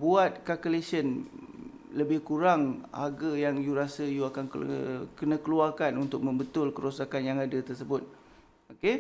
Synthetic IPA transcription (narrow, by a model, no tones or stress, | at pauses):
buat̪̚kakəlesən | ləbɪhkuɾaŋha̰ɡəjaŋjuɾasəjuakankəkənãkəluarkanunt̪ʊk̚mə̃mbət̪ʊlkəɾosakanjaŋadət̪ərsəbʊt̪̚ | oke